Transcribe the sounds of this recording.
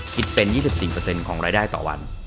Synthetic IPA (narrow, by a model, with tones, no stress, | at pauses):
kʰi˦˥t̪̚pe˧njiː˥˩si˨˩p̚siː˨˩pɤː˧se˧nkʰɔː˩˦ŋɾaː˧jdaː˥˩jt̪ɔ̰ː˨˩wa̰˧n